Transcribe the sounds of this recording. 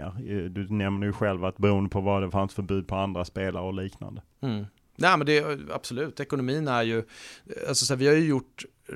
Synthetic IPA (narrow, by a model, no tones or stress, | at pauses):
ɾd̪ɵnɛmnəjɵɧɛlvat̪bɛɾuːənd̪əpʰɔvad̪ɛfansfœɾbʉ̟ːd̪̚pʰɔand̪ɾaspeːlaɾəɔliːkna̰nd̪ə | m̩ː | nɛːmɛnd̪ɛa̰b̥sɔlʉ̟ːt̪ɛkʊnʊmiːnæɾjɵa̰lsɔsæːvɪhajɵjʊʈː